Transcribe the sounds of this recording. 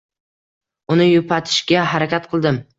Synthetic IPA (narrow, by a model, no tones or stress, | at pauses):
ʊnɪjʊpʰat̪ʰɪ̥ʃɡʲaɦaɾakʲat̪qʰɨlˠd̪ɪm